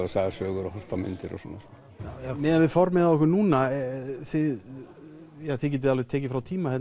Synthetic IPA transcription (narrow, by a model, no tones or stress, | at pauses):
ɪsaːðasœːɣʏɾɔhœr̥t̪amɪ̰nt̪ɪɾɔ̰sɔnːa̰s | ajamɪːðavɪfɔɾmɛːðaɔhkʏnuːnaθɪ | jaːθɪcɛt̪̬ɪalvɪt̪ʰɛːcɪfɾawt̪ʰiːmahɛt̪